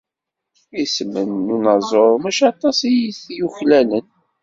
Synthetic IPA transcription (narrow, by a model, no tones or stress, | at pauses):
isəmənːunɑzˤoɾˤmæʃɑt̪ˤɑsˤijiθjuçlælən